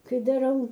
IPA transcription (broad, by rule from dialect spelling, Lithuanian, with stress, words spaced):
ˈkɐɪ dɐˈrɐʊ